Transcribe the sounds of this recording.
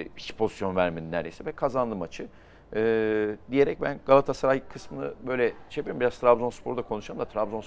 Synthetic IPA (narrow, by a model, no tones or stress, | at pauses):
it͡ʃpʰo̞zisjo̞nvæɾminnːæ̰ɾd̪ejsivɛkʰazand̪ɯmat͡ʃʰɯ | ɯːd̪ije̞ɾɛc̚bænɡalˠat̪ʰasaɾajkʰɯsmɯnɯ̰bø̞jlʲɛt͡ʃʰepeimbiɾazt̪ʰɾabzo̞nspʰo̞ɾud̪akʰo̞nuʃamd̪at̪ʰɾabzo̞ns